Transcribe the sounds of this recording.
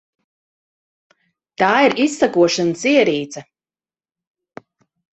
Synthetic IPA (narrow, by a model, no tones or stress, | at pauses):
t̪aːiɾisːakuɔʃanəsiɛɾiːt̪sɐ